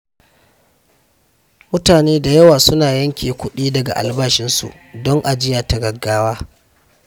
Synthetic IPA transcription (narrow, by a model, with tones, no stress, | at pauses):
mʊ˦taː˨neː˦da˨jɐ˦waː˨sʊ˦naː˨jɐ˦ŋkʲeː˨kʷʊ˦ɗiː˦dɐ˨ɡa̰˨ʔa̰˨lbaː˦ʃɪ˦nsṵ˨ʔ | dɔ˦ŋʔa˨d͡ʒɪ˦jaː˨ta˨ɡɐ˨ɡːaː˦waː˦